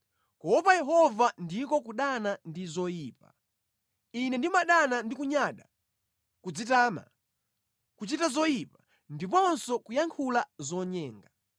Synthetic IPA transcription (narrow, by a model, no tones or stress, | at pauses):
kɔpajɛɦɔvandikɔkuɗanandizɔjiːpa̰ | inɛndimaɗanandikuɲaɗa | kud͡zitaːma̰ | kut͡ʃitazɔjipa | ndipɔnsɔkujaŋkʰulazɔɲɛːŋɡa